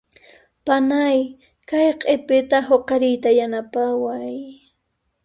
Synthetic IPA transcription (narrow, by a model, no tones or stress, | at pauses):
panaj | kajqʼepɪt̪aɦoqɑɾɪjt̪ajanapawaj